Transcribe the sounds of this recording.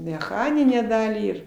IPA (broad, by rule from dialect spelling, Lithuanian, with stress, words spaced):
mʲɛˈxɑːnʲɪnʲæː ˈdɑːlʲiː ɪr